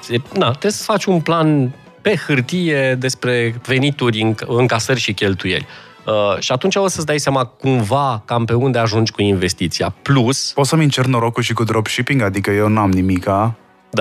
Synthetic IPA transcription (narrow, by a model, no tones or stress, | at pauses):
ed̪at̪esfat͡ʃʲunplan | pe̞xɨrt̪ije̞d̪e̞spɾe̞ve̞nit̪urʲɨŋɨŋkasərʲʃikʲe̞lt̪uje̞̰lʲ | əʃiat̪unt͡ʃaosət̪s̬d̪ajseamakumvakampe̞und̪e̞aʒund͡ʒʲkuinve̞st̪it̪siapluspot̪səmint͡ʃert̪noɾo̞kulʃikud̪ɾobʃipiŋɡad̪ikəje̞wnuamnimika | d̪a